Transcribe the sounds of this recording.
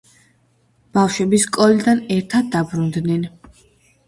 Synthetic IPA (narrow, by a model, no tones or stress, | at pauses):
b̥afʃwɛbiskʼɔlid̪anɛɾt̪ʰad̪̚ːabɾund̪nɛn